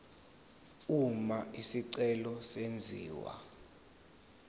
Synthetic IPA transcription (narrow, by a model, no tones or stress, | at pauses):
umaisiǀɛlɔsend͡zʱiːwa̰